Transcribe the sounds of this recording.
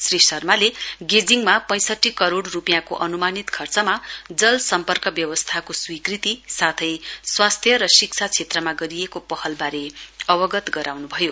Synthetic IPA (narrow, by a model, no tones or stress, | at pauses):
srisʌrmaleɡed͡ziŋmapʌ̃j̃sʌʈːikʌɾoɽrupijãkoʔʌnumanit̪kʰʌrt͡sʌmad͡zʌlsʌmpʌrkʌbjʌwʌst̪ʰakoswikrit̪isat̪ʰʌjswast̪ʰjʌɾʌsik̚t͡sʰat͡sʰet̪rʌmaɡʌɾijekopʌhʌlbaɾeʌbʌɡʌt̪ɡʌɾawnubʱʌjo